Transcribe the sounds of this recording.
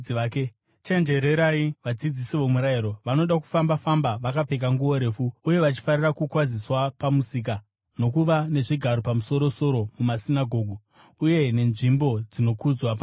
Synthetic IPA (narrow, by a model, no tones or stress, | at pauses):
ke | t͡ʃe̞nd͡ʒe̞ɾe̞ɾaiʋad͡zid͡zisiʋo̞muɾaiɾo̞ʋano̞ɗaku̥fambafambaʋakape̞k̬aŋɡuwo̞ɾe̞ːfuːje̞ʋat͡ʃi̥farirakukwad͡ziswapamusik̬a | no̞kuʋane̞ʐiɡʱaɾo̞pamuso̞ɾo̞so̞ɾo̞mumasinaɡʱo̞ːɡʱu | uje̞ne̞nʐimbo̞d͡zino̞kud͡zwap